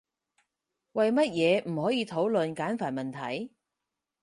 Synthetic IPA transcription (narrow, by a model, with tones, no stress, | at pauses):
wɐ˨jmɐ˥t̚jɛː˨˧m̩˨˩hɔː˨˥jiː˨˧t̪ʰo˨˥wlɵ˨˧nkaː˨˥nfaː˨˩nmɐ˨˩nt̪ʰɐ˨˥j